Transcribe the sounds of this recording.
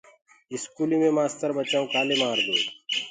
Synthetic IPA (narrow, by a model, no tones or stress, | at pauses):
ɪskuːlĩmẽmaːst̪əɾbət͡ʃaːõkaːlemaːɾd̪oː